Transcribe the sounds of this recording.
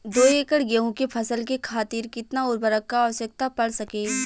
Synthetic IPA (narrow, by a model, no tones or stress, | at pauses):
d̪oːeːkəɽɡeɦũkepʰɐsəlkekʰaːt̪iːɾkɪt̪naʊɾbəɾəkːaːʋəʃjək̚t̪apɐɽsɐkeː